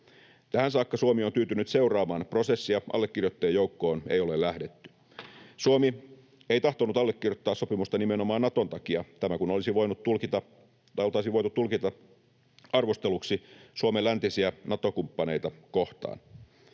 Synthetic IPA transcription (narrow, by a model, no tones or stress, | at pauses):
t̪æhænsɑːkːɑsuomiont̪yːt̪ynyt̪se̞urɑːmɑːnpro̞sesːiɑʔɑ̰lːekːirjot̪ːeːjoukːo̞ːnḛjo̞lelːæhdet̪ːy̥ | suomi | ejt̪ɑht̪onut̪ɑlːekːirjot̪ːɑːssopimust̪ɑnimeno̞mɑːnnɑt̪ont̪ɑkiɑt̪æmækunolisiʋo̞jnut̪ːulkit̪ɑ | lt̪ɑisiʋo̞jt̪ut̪ːulkit̪ɑ | ɑrʋost̪eluksisuomelænt̪isiænɑt̪o̞kumpːɑne̞jt̪ɑkoht̪ɑ̰ːn